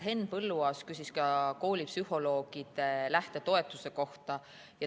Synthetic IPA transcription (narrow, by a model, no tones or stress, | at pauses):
ɦe̞npɤlːuɑːskysiskɑko̞ːlʲipsyho̞lo̞ːɡ̥id̪̥elæht̪e̞t̪o̞e̞t̪ːˑuse̞ko̞ht̪ɑ | jɑ